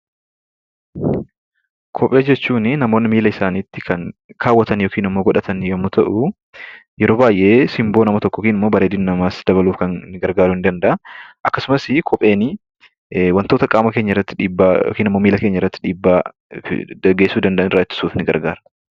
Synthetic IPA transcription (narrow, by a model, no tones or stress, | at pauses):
kʰɔpʼe̞ːd͡ʒɛt͡ʃːuːnɪnɐmo̞ːnːɪmiːlɐɪsaːniːt̪ːɪkʰɐŋkʰaːwːɐt̪ɐnjoːkiːnɪmːoːɡɔᶑɐt̪ʰɐnjomːʊt̪ʰɐʔʊ | jɛɾo̞ːbaːjʔe̞ːsɪmboːnɐmɐt̪ɔkːɔkiːnɪmːo̞ːbɐɾeːd̪ɪnnɐmaːsd̪̥ɐβɐluːfkɐnːɪɡɐɾɡaːɾʊhɪnd̪ɐnd̪ɐʔɐʔɐkːɐsʊmɐsɪkʰɔpʼe̞ːnɪ | wɐnt̪o̞ːt̪ɐkʼaːmɐke̞ːɲːɐɪrːɐt̪ːɪᶑiːbːao̰kiːnɪmːoːmiːlɐkeːɲːɐɪrːɐt̪ːɪ̥ᶑiːbːa̰ː | ɐɡeːsːuːd̪ɐnd̪ɐʔɐnrːat̪ːɪ̥suːfnɪɡɐ̰ɾɡaːɾɐ̥